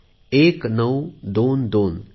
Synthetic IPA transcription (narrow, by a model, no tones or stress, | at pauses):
eːknəwd̪ond̪oːn